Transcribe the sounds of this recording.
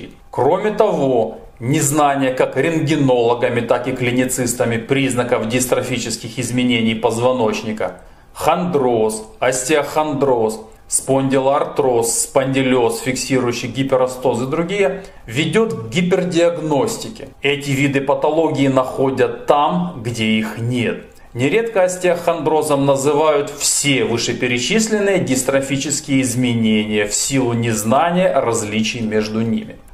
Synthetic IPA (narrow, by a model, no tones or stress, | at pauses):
kɾo̞mʲɪt̪ɐvo̞ | nʲɪznanʲɪjəkakɾʲɪnɡʲɪno̞lˠɐɡɐmʲɪt̪akɪklʲɪnʲɪt̪sɨst̪əmʲɪpɾʲiznɐkɐfɡʲɪst̪ɾɐfʲit͡ɕɪskʲɪxɪzmʲɪnʲenʲijpɐzvɐno̞t͡ɕnʲɪkɐ̰ | xɐnd̪ɾo̞sɐsʲtʲɪɐxɐnd̪ɾo̞s | sponʲdʲɪlˠɐɐrt̪ɾo̞sːpɐnʲdʲɪlʲo̞sfʲɪksʲiɾʊjʉɕːɪjɡʲɪpʲɪɾɐst̪osɨd̪ɾʊɡʲijə | vʲɪdʲo̞t̪ɡʲɪpʲɪrdʲɪɐɡno̞sʲtʲɪkʲɪɛtʲɪvʲid̪ɨpɐt̪ɐlˠo̞ɡʲɪːnɐxo̞dʲət̪ːamɡdʲeixnʲe̞t̪̚ | nʲɪɾʲe̞t̪kəɐsʲtʲexɐnd̪ɾo̞zəmnəzɨvajʊt̪fsʲe̞vɨʂɨpʲɪɾʲɪt͡ɕisʲlʲɪnːɨjəɡʲɪst̪ɾɐfʲit͡ɕɪskʲɪjəɪzmʲɪnʲenʲɪjəfsʲilˠʊnʲɪznanʲɪjəʔɐɾɐzʲlʲit͡ɕɪjmʲe̞ʐd̪ʊnʲḭmʲɪ